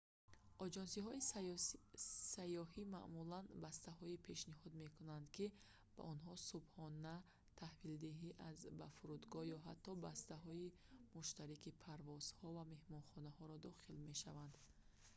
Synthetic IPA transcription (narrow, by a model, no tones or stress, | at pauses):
ʔɔd͡ʒɔnsiɦɔi | sajɔɦima̰ʔmulanbast̪aɦɔipʰe̞ʃnihɔd̪me̞kunand̪ki | b̥a̰ʔɔnɦɔsubhɔna | t̪ʰahvild̪iɦiʔazbafuɾud̪ɡɔjɔɦat̪ʰːɔbast̪aɦɔi | muʃt̪aɾikipʰaɾvɔz̥hɔvame̞hmɔnχɔnahɔɾɔd̪ɔχilme̞ʃavand̪